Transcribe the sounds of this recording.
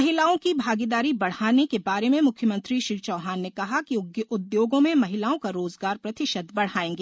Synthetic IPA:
mɐɦɪlaːõkibʱaːɡid̪aːɾibɐɽ̤aːnekebaːɾemẽmʊkʰjəmə̃nt̪ɾiʃɪlt͡ʃɔːɦaːnːekɐɦakiʊɡjʔʊd̪joːɡõmẽmɐɦɪlaːõkaɾoːzɡaːɾpɾɐt̪ɪʃəd̪bɐɽ̤aːẽːŋɡeː

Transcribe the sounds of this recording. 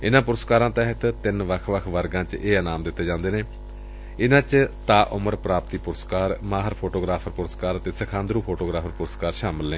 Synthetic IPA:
ɪnãːpʊɾəskaːɾãːt̪ɛːɦət̪t̪ɪnʋəkʰʋəkʰʋəɾɡãːt͡ʃʔeːənaːmd̪ɪt̪ːeːd͡ʒãːnd̪eːneː | ɪnãːt͡ʃt̪aːʔʊməɾpɾaːpt̪iːpʊɾəskaːɾmaːɦəɾpʰoːʈoːɡɾaːpʰəɾpʊɾəskaːɾt̪eːsəkʰãːnd̪ɾuːpʰoːʈoːɡɾaːpʰəɾpʊɾəskaːɾʃaːmɪlːẽː

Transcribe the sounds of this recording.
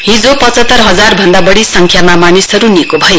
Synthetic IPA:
ɦĩd͡zopʌt͡sʌt̪ːʌrɦʌd͡zarbʱʌnd̪abʌɽisʌŋkʰjamamanisʌɾunikobʱʌje

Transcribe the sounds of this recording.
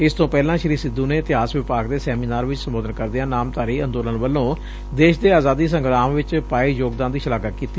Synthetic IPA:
ɪst̪õːpɛːlãːʃəɾiːsɪd̪uːneːɪt̪ɪɦaːsʋɪpaːɡd̪eːsɛːmiːnaːɾʋɪt͡ʃsəmboːd̪ənkəɾd̪ɪjãːnaːmt̪aːɾiːənd̪oːlənʋəlːõː | d̪eːʃd̪eːaːzaːd̪iːsəŋɡɾaːmʋɪt͡ʃpaːiːjoːɡd̪aːnd̪iːʃəlaːkəkiːt̪iː

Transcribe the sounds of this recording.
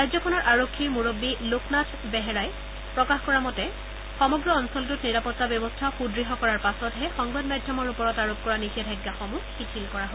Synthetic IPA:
ɹajzɔkʰɔnɔɹʔaɹokʰːiɹmoɹobːilokʰnatʰ | bɛɦɛɹaj | pɹɔkaxkɔɹamɔtɛ | xɔmɔɡɹɔɔnsɔlɡutniɹapɔtːabjɔbɔstʰaxudɹiɦɔkɔɹaɹpasɔtɦɛxɔŋbadmajdʱjɔmɔɹupɔɹɔtaɹop̚kɔɹanixɛdʱajɡːaxɔmuxitʰilkɔɹaɦo

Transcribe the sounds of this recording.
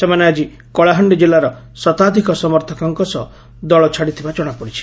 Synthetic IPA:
semanead͡ʒi | kɔɭaɦɔɳɖid͡ʒelːaɾɔ | sɔt̪ad̪ʱikɔsɔmɔɾt̪ʰɔkɔŋkɔsɔ | d̪ɔɭɔt͡ʃʰaɽit̪ʰibad͡ʒɔɽ̃apɔɽit͡ʃʰi̥

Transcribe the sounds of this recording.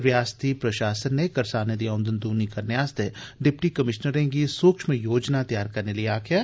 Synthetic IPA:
ʋjaːst̪ipɾɐʃaːsənːekɐɾsaːned̪ijaʊ̃nd̪ənd̪uːnikɐnɪjaːst̪ʰeɖɪpʈikɐmɪʃnəɾẽɡisuːkʃmẽjoːd͡ʒnat̪ɐjaːɾkɐɾnelieaːkʰjaː

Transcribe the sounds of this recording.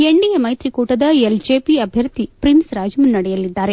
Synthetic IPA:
e̞ɳɖijɐmɐjt̪ɾikuːʈɐd̪ɐeld͡ʒeːpiɐbʱjɐɾd̪ʱipɾinsɾaːd͡ʒɐmunnːɐɽɛjɐlid̪ːaːɾe

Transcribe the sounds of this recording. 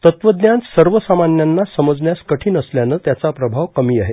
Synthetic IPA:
t̪ət̪ʋəd̪njansəɾʋəsamanːjanːasəməd͡zɳjaskəʈʰiːnəsljanət̪jat͡sapɾəbʱaʋkəmiːaɦe

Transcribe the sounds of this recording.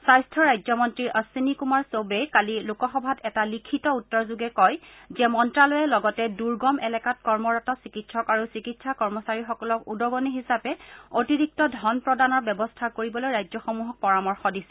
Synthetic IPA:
sajstʰɔɹajzɔmɔntɹiɹʔəsinikumaɹsobejkalilukɔxɔbʱatɛtalikʰitɔutːɔɹzuɡɛkɔjzɛmɔntɹalojɛlɔɡɔtɛduɹɡɔmɛlɛkat̚kɔɹmɔɹatɔsikitsʰɔkaɹusikitsakɔɹmɔsaɹixɔkɔlɔkudɔɡɔniɦisapɛotiɹik̚tɔdʱɔnpɹɔdanɔɹbɛbɔstʰakoɹibɔlojɹajzɔxɔmuɦɔk̚pɔɹamɔɹxɔdisɛ̥

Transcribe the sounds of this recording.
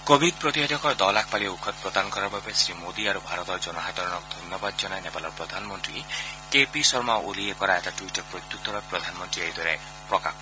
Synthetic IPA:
kobʱid̪̚pɾɔt̪iɦad̪ʱɔkɔd̪ɔlakʰpaliɔukʰɔt̪̚pɾɔd̪anɔkɔɾababesɾimod̪iaɾubʱaɾɔt̪ɔɾd͡ʒɔnɔɦat̪ɔɾɔɽ̃ɔk̚d̪ʱɔnjɔbad̪ɔd͡ʒɔnaenepalɔpɾɔd̪ʱanɔmɔnt̪ɾikepisɔɾmaʔoliekɔɾaeʈaʈwiʈɔkpɾɔt̪it̪ːuk̚t̪ʰɔɾapɾɔd̪ʱanɔmɔnt̪ɾiejd̪ʱɔɾe | pɾɔka̰kʰɔ

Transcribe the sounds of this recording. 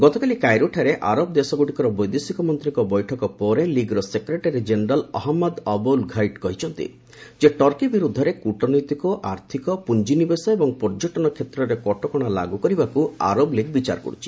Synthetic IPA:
ɡɔt̪ɔkalikajɾoʈʰaɾeʔaɾob̚d̪esɔɡoʈikɔɾɔbɔjd̪esikɔmɔnt̪ɾiŋkɔbɔjʈʰɔkɔpɔɾeliɡɾɔsekɾeʈaɾid͡ʒeneɾalɔ̰ɦɔmːad̪ɔbɔlɡʱajʈkɔɦit͡ʃʰɔnt̪ḭ | d͡ʒeʈɔɾkibiɾud̪ʱːɔɾekuʈɔnɔjt̪ikɔʔaɾt̪ʰikɔpund͡ʒinibesɔebɔŋpɔɾd͡ʒoʈɔnɔkʰet̪ɾɔɾekɔʈɔkɔɽ̃ala̰ɡukɔɾibakua̰ɾobleɡbit͡ʃa̰ɾkɔ̰ɽut͡ʃʰi̥

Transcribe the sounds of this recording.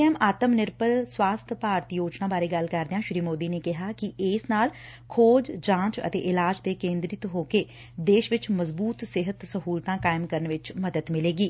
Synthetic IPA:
ɛːmaːt̪əmnɪɾpəɾswaːst̪ʰpaːɾt̪ijoːt͡ʃnãːbaːɾeːɡəlkəɾd̪eãːʃɾiːmoːd̪iːneːkɪɦaːkɪʔɪːsnaːl | kʰoːd͡ʒd͡ʒãːt͡ʃə̰t̪ḛːʔɪlaːd͡ʒt̪eːkẽːnd̪ɾɪt̪ɦoːkeː | d̪eːʃʋɪt͡ʃməzbuːt̪sɪɦət̪səɦuːlt̪ãːkaːɪmkəɾənʋɪt͡ʃməd̪əd̪mɪleːɡiː

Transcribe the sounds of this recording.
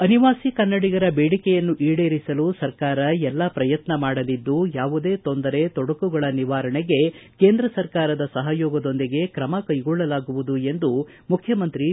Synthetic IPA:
ɐniʋaːsikɐnːɐɽiɡɐɾɐbeːɽikɛjɐnːuʔiːɽe̞ːɾisɐlusɐɾkaːɾɐjɛlːɐpɾɐjɐt̪nɐmaːɽɐlid̪ːujaːʋud̪e̞ːt̪ond̪ɐɾe̞t̪ɔɽɐkuɡɐɭɐniʋaːɾɐɳeɡe̞ke̞ːnd̪ɾɐsɐɾkaːɾɐd̪ɐsɐɦɐjɔːɡɐd̪o̞nd̪iɡe̞kɾɐmɐkɐjɡɔɭːɐlaːɡuʋud̪ue̞nd̪u | mukʰjɐmɐnt̪ɾi

